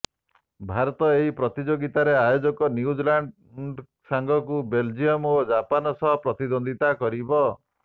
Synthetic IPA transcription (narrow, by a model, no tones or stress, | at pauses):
bʱaɾɔt̪ɔeɦipɾɔt̪id͡ʒoɡit̪aɾeajod͡ʒɔkɔnjud͡ʒlaɳɖ | ɖ | saŋɡʱɔkubeld͡ʒijɔmod͡ʒapanɔsɔɦɔpɾɔt̪id̪ond̪it̪akɔɾibɔ